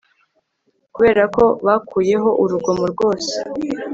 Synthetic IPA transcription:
kuβe̞ːɾako̞βakʰuːje̞ɦo̞ʔuɾuɡo̞muɾɡo̞ːse̥

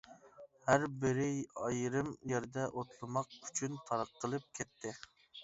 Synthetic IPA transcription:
hæɾbɪɾɪɑjɾɨmjeɾd̪ɛʔot̪lˠɨmɑq̚y̥t͡ʃʰynt̪ʰɑɾɑqʰːəlˠɨp̚kʲʰɛt̪ʰːɪ

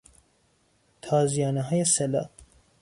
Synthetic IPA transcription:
t̪ʰɑːzijɑːnɐɦɑːjesɛla̰

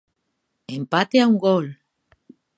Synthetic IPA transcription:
empat̪eauŋɡol

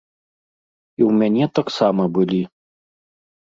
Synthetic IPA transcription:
iwmʲænʲɛt̪aksamɐbɨlʲi

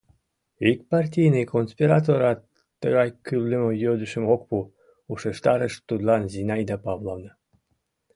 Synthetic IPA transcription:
ik̚pɑrtʲijnɨkonspʲiɾɑt̪oɾɑt̪ː | əɣɑjkʲylːəmojød̪əʃə̆mok̚pu | uʃeʃt̪ɑɾəʃt̪ud̪lɑnzinɑjd̪ɑpɑvlˠɑlnɤ

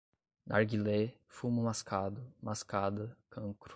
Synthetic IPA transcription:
nʔaɾɡilefumʊmaskʰad̪ʊmaskad̪ɐkʰɐ̃kɾʊ̥

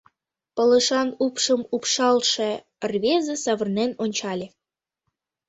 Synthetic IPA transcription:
pələʃɑnupʃəmupʃɑlʃe | rβʲezesɑβərnenonʲt͡ɕɑlʲe

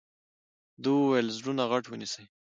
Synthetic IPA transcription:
d̪uwajlzɽunaɣaʈwənisaj

